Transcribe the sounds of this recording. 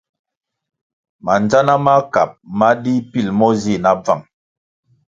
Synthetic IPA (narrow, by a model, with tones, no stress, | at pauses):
ma˨nd͡ʒa˦na˦ma˦ka˨p̚ma˦di˦pi˦˨lmɔ˦zi˦˨na˦b͡va˦˨ŋ